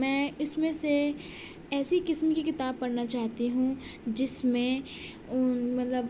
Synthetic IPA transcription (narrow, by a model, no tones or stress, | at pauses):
mɛ̃ːʊsmẽse | ɛːsikɪsmkikɪt̪aːb̚pɐɽnat͡ʃaːɦt̪iɦũd͡ʒɪsmẽ | ʊmɐt̪ləb